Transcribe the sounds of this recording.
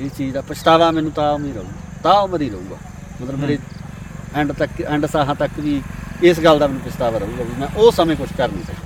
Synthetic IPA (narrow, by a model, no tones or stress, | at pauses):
ɪst͡ʃiːd͡ʒd̪aːpət͡ʃt̪aːʋãːmɛ̃ːnũːt̪aːmĩːɾəũːɡaːt̪aːməd̪iːɾəũːɡa̰ː | mət̪ləbɾeː | ɛɳɖt̪əkɛ̃ɳɖsaːɦãːt̪əkʋiːɪs̬ɡəld̪aːmɛːnũpət͡ʃt̪aːʋãːɾəɦũːɡaːbiːmɛ̃ːʔʊsəmẽːkʊt͡ʃʰkəɾniːsəɡaː